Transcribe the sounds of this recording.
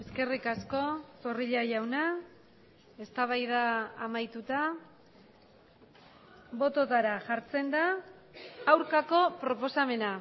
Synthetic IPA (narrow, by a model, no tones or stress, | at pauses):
e̞ske̞rikasko̞so̞riʎajawna | e̞st̪aβ̞ajðaːmajt̪ut̪a | βo̞t̪o̞t̪aɾaʝaɾt͡se̞nd̪aː | wɾkako̞pɾo̞po̞same̞na